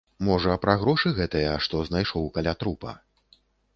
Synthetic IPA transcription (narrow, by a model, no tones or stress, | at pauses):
mɔʐɐːpɾaɣɾɔʂɨɣɛt̪ɨjɐʂt̪ɔznajʂɔwkalʲat̪ɾupɐ̰